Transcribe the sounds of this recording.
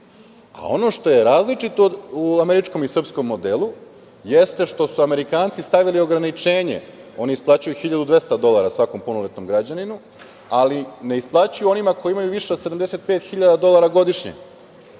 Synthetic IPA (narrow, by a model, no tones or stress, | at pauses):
a̰o̞no̞ʃt̪o̞je̞ɾaːzlit͡ʃit̪ouameɾit͡ʃko̞misr̩psko̞mːo̞d̪elˠu | je̞st̪eʃt̪o̞suame̞ɾikaːnt̪sist̪aʋilio̞ɡɾanit͡ʃe̞ːɲe̞̰o̞niisplˠaːt͡ɕujuxiʎad̪ud̪ʋe̞st̪ad̪o̞lˠaɾasʋako̞mpunolet̪no̞mɡɾad͡ʑaninu | aline̞isplˠat͡ɕujuo̞nimako̞jiimajuʋiʃeod̪se̞d̪amd̪e̞se̞t̪̚peːt̪xiʎad̪ad̪o̞lˠaɾaɡo̞d̪iʃɲḛ